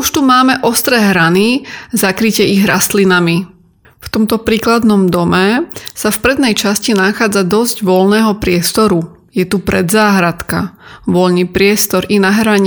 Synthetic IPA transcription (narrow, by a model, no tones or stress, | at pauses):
uʃt̪umaːmɛʔɔst̪ɾɛɦɾanizakɾicɪɛiɣɾa̰st̪linami | ft̪ɔmt̪ɔpɾiːklad̪nɔmd̪ɔmɛsafpɾɛd̪nɛjt͡ʃascinaxaːd͡zad̪ɔzɟʋɔlnɛːɦɔpɾɪɛst̪ɔɾu | jɛt̪upɾɛ̰d̪zaːɦɾat̪kaʋɔʎnipɾɪɛst̪ɔɾinaɦɾaɲ